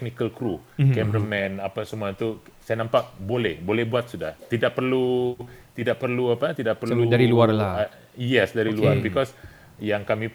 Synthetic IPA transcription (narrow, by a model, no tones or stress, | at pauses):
knikəlkɾu | kɛmɾəmɛ̃napasəmuat̪usajanampaʔbolɛhbolɛhbuat̪̚suda̰ht̪idak̚pərlut̪idaʔ̚pərluapat̪idaʔ̚pərudaɾiluarla | jɛsdaɾiluarbikɔs | jaŋkami